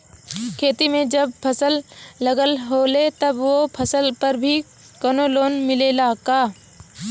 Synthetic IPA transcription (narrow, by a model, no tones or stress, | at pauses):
kʰeːt̪imẽd͡ʒɐb̚pʰəsəlːɐɡəlɦoːlet̪ɐbʋopʰɐsəlpɐɾbʱi | kənoloːnmɪlelaːkaː